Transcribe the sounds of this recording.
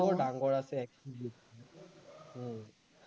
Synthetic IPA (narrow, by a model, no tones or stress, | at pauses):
ɔɹdaŋɡɔɹasɛɛkilok